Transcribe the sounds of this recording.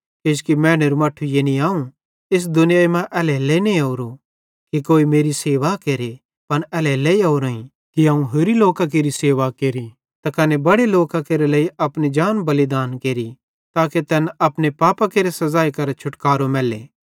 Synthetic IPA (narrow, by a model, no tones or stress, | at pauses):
ked͡ʒkimɛːɽ̃eɾumɐʈʰːujeːnĩaːũ | ɪs̬d̪ʊnɪjaːemãʔɛːlɛleinioːɾo | kikoːimeːɾiseːʋakeːɾe | pɐnɛlɛleioʊɾaĩ | kiɦãːũɦoːɾiloːkak̬eːɾiseːʋakeːɾi | t̪akɐnebɐɽeloːkakeːɾelɐːiɐpnid͡ʒaːnbɐlid̪aːnkeːɾi | t̪aːket̪ɛnɐpnepaːpakeːɾesɐzaːikɐɾt͡ʃʰʊʈkaːɾomɛːleː